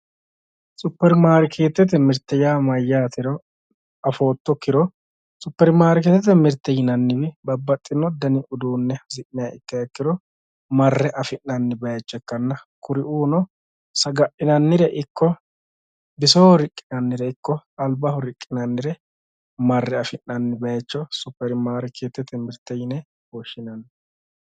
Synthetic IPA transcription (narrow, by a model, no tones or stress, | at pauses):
sʼʊpːɛɾmaːɾɪkʰeːt̪ːɛt̪ːɛmɪɾt̪ːɛjaːmɐjːaːt̪ɪɾɔ | ɐfo̞ːt̪ːɔkːɪɾɔ | sʼʊpːɛɾmaːɾɪkeːt̪ːɛt̪ːɛmɪɾt̪ːɛjɪnɐnːɪwɛbɐbːɐt̪ʼːɪnɔd̪ɐnɪʔʊd̪uːnːɛzɪʔɪjɐɪkːɐjɛkːɪɾɔ | mɐrːɛʔɐfɪnːɐnːɪbɐjɐt͡ʃːɛkːɐnːɐkʊɾɪʔuːnɔ | sɐɡɐʔɪnɐnːɪɾɛʔɪkːɔ | bɪsoːɾɪkʼːɪnɐnːɪɾɛɪkːɔɐlbɐhʊɾɪkʼːɪnɐnːɪɾɛ | mɐrːɛɐfɪnːɐnːɪbɐjɛt͡ʃːɔsʊpːɛɾɪmaːɾɪkʰeːt̪ːɛt̪ʰːɛmɪɾt̪ːɛjɪnɛ | wɔʃːɪnɐnː